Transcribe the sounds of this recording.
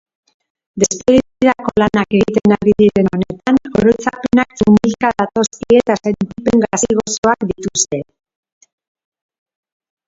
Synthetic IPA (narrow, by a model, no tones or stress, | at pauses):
d̪e̞spe̞ɣit͡siðako̞lanake̞ɣit̪e̞naɾiðiɾe̞none̞t̪ano̰ɾot͡sape̞naksumilkaðat̪o̞skie̞t̪asent̪ipe̞ŋɡasiɣo̞so̞akd̪it̪ust̪e̞